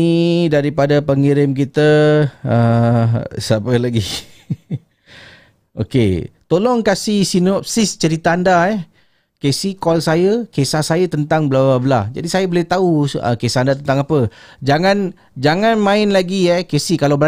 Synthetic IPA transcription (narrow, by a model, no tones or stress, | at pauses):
idaɾipadapəŋiɾɪmkit̪əə | sapəlaɡi | o̰kḛt̪olɔŋkasihsinɔp̚sɪst͡ʃəɾit̪aandaɛh | kesikɔlsajəkesahsajat̪ənt̪aŋbəlababəlad͡ʒa̰disajəbolɪht̪auə̰kesaandat̪ənt̪aŋapəd͡ʒaŋãn | d͡ʒaŋãnmãɪnlaɡiɛkesikalawbəa